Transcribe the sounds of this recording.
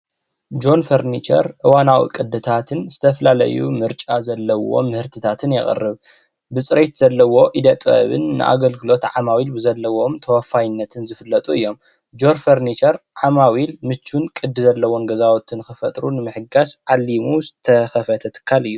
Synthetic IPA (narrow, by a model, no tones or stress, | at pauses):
d͡ʒo̞nfɐɾnit͡ʃɐ̰ɾʔɨwanawḭkʼɨd̪ːɨt̪ʰat̪ʰɨnz̥ɨt̪ʰɐfɐlalɐ̰jṵmɨɾt͡ʃʼa̰zɐlːɐwo̞̰mɨhɨɾt̪ʰɨt̪ʰat̪ʰɨnjɛ̰χʼɨ̰rːɨβ | bɨsʼɾet̪zɐlːɐwo̞ʔid̪ɐt̪ʼɐ̰βɨ̰nːɨ̰ʔa̰ɡɐlɡɨlo̞t̪ʕamawilbɨzɐlːɐwo̞mt̪ʰɐwɐfajɨnːɐt̪ʰɨnzɨfɨlːɐt̪ʼuɨjːo̞m | d͡ʒo̞ɾfɐɾnit͡ʃɐɾʕamawilmɨt͡ʃːunkʼɨd̪ːɨzɐlːɐwo̞nɡɐzawot̪ʰɨnɨkxɨfɐt̪ʼɾunɨmɨħɨɡasʕalːimuzɨt̪ʰɐxɐfɐt̪ʰɐt̪ʰɨ̥kʰːalɨjːu